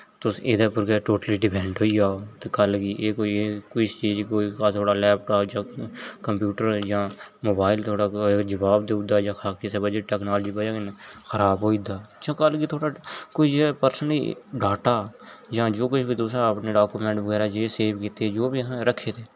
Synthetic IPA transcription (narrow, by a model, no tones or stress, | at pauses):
t̪oed̪aːpʊɾkeʈoːʈəliːɖɪpʰɛ̃ːɳɖɦoːid͡ʒaːoːt̪eːkəlɡiːʔeːkːekʊt͡ʃt͡ʃiːd͡ʒkoːikaːt̪ʰoːɽaːlɛːp̚ʈaːpd͡ʒãːkəmpjuːʈəɾd͡ʒãːmoːbaːɪlt̪ʰoːɽaːd͡ʒəbaːbd̪ed̪aːd͡ʒãːxʰaːkisebəd͡ʒəʈɛːknaːld͡ʒiːbad͡ʒãknxʰəɾaːbɦoːid̪aːd͡ʒãːkəlɡiːt̪ʰoːɽaːkoːid͡ʒepəɾsənḭɖaːʈaːd͡ʒãːd͡ʒoːkʊt͡ʃʰbiːd̪oːsɾapneɖaːkumɛ̃ːɳʈʋəɡɛːɾaːd͡ʒeːseːʋkit̪ed͡ʒoːbiːãɾəkʰːeːt̪eː